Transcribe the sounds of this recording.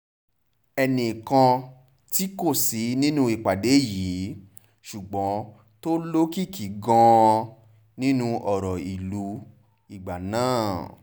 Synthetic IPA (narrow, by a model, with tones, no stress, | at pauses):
ɛ˧nĩ˨kã˧ | ti˦ko˦˨si˨˦nĩ˦nũ˦i˨k͡pa˨de˨˦jiː˨˦ | ʃu˨ɡ͡bɔ̃˨˦ | to˦lo˦ki˦˨ki˨˦ɡɔ̃˧ | nĩ˦nũ˦˧ʔɔ˨ɾɔ˨i˨lu˨˦ | i˨ɡ͡ba˨nãː˦˨